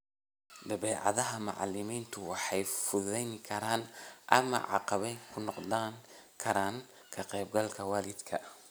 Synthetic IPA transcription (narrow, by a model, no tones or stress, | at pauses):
d̪ɐβɛːʕɑ̰ðɐɦɐmɑʕɑ̰lɪmiːnt̪ʰʊwɑħɑjfʊðɛjŋkʰɐɾaːnʔɐ̰mɐ̰ʕɑ̰qɑβɛjkʰʊnɔqd̪aːŋkʰɐɾaːŋ | kʰɐqɛːb̚ɡɐlkʰɐwɑːlɪd̪kʰɐ